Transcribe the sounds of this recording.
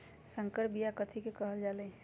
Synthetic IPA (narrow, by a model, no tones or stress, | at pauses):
səŋkəʈbijakət̪ʰikekəɦəld͡ʒaːlẽː